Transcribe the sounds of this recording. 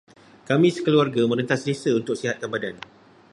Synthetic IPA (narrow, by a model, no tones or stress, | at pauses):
kamĩsə̥kəluarɡamə̃ɾənt̪aslisəunt̪ʊk̚siɦat̪̚kambadan